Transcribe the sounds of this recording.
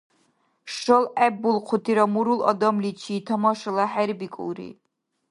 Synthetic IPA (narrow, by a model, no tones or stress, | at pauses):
ʃɔlɛbulˠqʰut̪ʰiɾamuɾulɔ̰d̪ɔmlit͡ʃʰiːt̪ʰɔmɔʃɔlaħɛɾbikʼṵɾḭ